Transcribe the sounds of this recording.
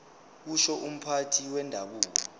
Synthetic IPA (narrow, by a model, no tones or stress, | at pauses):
k̬uʃɔʔum̩pʰatʰiwɛndʱaɓuːk̬ɔ